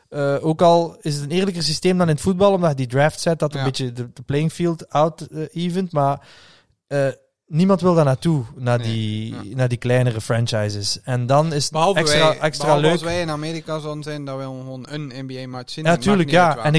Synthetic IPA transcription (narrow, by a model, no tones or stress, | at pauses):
əʔoːkɑlˠɪsətənɪːrlək̬əs̬isteːmdɑnɪnətfud̚bɑlˠɔmdɑtjədidraːftsɛt̚dɑtənbɪtjədəd̥əplejɪŋfilˠtawtəiːvəntmaːɹ | əː | nimɑntʋɪlˠdarnaːtunaːdinaːdiklɛjnərəfrɛnt͡ʃajzəsɛndɑnɪsətbəɦlˠvɛsaʔɛkstraːløːksɛɪnameːɾikazonzɛndaʋɛxʋoːnənɛnbiejmat͡ʃsiaːtyːrləkjaːɛnɪ